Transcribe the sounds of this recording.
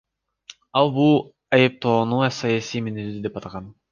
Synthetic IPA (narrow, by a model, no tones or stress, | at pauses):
ɑlˠbulˠ | ɑjep̚t̪ʰoːnusɑjasijmenezyd̪epɑt̪ɑʁɑn